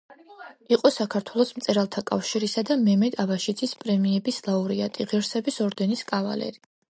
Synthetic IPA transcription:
iqʼɔsakʰaɾt̪ʰwɛlˠɔsmt̪sʼɛɾalˠt̪ʰakʼa̰fʃiɾisad̪amɛmɛd̪avaʃid̪zʰispʼɾɛmiɛbislˠauɾiat̪ʼiʁɛɾsɛbisɔɾd̪ɛniskʼava̰lɛ̰ɾi

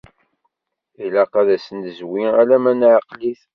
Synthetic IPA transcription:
ilæqæðæsənəzwiælæmænʕaqliθ

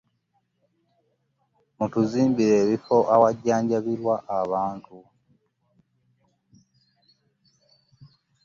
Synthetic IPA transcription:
mutuziːmbiɾeβifoʔawaɟaːɲɟaβiɾwaʔaβaːntʰu

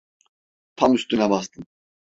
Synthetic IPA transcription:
pʰamyst̪ʼynabast̪ʰɨn

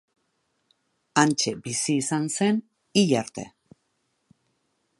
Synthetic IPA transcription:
ant͡ʃe̞bisiːsanse̞n | iʎaɾt̪e̞̰

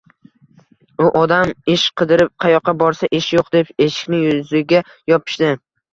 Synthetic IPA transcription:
ʊʔɒd̪amɪʃqʰɨd̪ɪɾɪp̚qʰɑjɒqʰːɑbɒɾsaʔɪʃjoqd̪e̞pe̞ʃɪ̥kʲnɪjʊzɪɡʲa | jɒpʰɪ̥ʃd̪ɪ

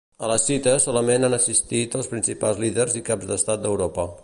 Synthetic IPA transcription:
ələsit̪əsɔləmenanəsist̪it̪əlˠspɾinsipalˠzliðərzikabzd̪əst̪at̪̚d̪əwɾopə

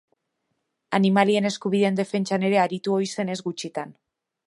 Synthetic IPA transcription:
animalie̞ne̞skuβiðeːnd̪e̞fe̞nt͡ʃane̞ɾe̞aɾit̪uo̞jse̞ne̞zɣut͡ʃit̪an

